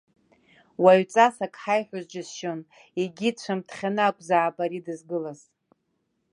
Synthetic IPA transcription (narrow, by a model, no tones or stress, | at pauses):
waɥt͡sʼasakʼħajħʷᶣazd͡ʒɪzʃon | eɡʲit͡ɕʷʰamtʰχʲanɨakʷʼzaːbaɾidɨzɡɨlaz̥